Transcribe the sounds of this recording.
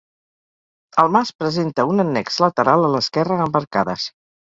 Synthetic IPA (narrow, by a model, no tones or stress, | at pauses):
əlˠmaspɾəzent̪əunənːɛkz̥lət̪əɾalˠələskɛrəːmbəɾkaðə̰s